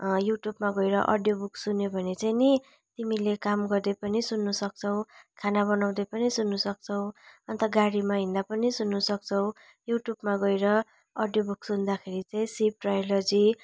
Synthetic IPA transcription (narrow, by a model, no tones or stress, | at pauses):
juʈjubmaɡʌjɾʌʔʌ̰ɖjobuksunjobʱʌnet͡sajni | t̪imilekamɡʌrd̪ʌpʌnisunːusʌk̚t͡sʰʌw̃kʰanabʌnaw̃d̪ʌpʌnisunːusʌk̚t͡sʰʌw̃ʌnt̪ʌɡaɽimaɦĩnd̪apʌnisunːusʌk̚t͡sʰʌw̃ | juʈjubmaɡʌjɾʌ | ʌɖjobuksund̪akʰeɾit͡saĩsib̚ʈrajlʌd͡zi